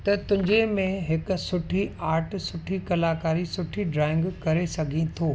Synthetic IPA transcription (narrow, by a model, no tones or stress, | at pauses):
t̪ɐt̪ʊ̃ɦɪ̃ɲd͡ʑemẽɦɪkʊsʊʈʰiaːɾʈsʊʈʰikɐlaːkaːɾisʊʈʰiɖɾaːɪ̃ŋɡkɐɾesɐɡʱĩt̪ʰoː